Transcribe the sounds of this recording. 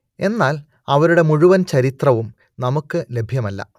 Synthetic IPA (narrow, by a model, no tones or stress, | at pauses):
e̞nːaːl | ɐʋɐɾuɽe̞muɻuʋɐnt͡ɕɐɾit̪rɐʋum | nɐmukːɨle̞bʱjɐmɐlːɐ̰